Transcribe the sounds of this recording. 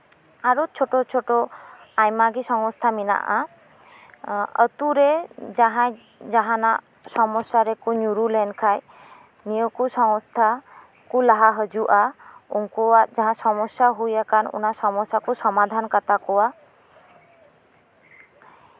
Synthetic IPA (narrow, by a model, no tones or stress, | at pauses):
aɾot͡ʃʰoʈot͡ʃʰoʈoajmaɡisɔŋɔst̪ʰamina̰ʔa̰ | ə̰t̪uɾed͡ʒaɦãj | d͡ʒaɦana | sɔmɔsaɾekuɲuɾulɛnkʰaj | nijokusɔŋst̪ʰa | kulaɦaɦəd͡ʒuʔaṵŋkuad͡ʒaɦãsɔmɔsaɦujakanṵnasɔmɔsakusɔmad̪ʱankat̪akɔwa